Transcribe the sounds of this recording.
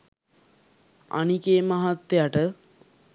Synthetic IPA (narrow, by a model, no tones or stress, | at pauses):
a̰nikeːmaɦat̪ːejaʈə